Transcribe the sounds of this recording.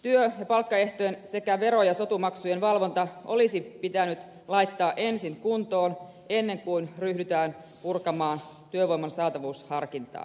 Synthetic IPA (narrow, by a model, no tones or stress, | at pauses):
t̪yøjɑpɑlkːɑe̞ht̪oense̞kæʋe̞ɾo̞jɑso̞t̪umɑksujenʋɑlʋo̞nt̪ɑʔo̞lisipit̪ænyt̪ | lɑit̪ːɑːʔe̞nsiŋkunt̪o̞ːn | e̞nːe̞ŋkuinryhdyt̪æːnpurkɑmɑːnt̪yøʋo̞jmɑnsɑːt̪ɑʋuːshɑrkint̪ɑ̰ː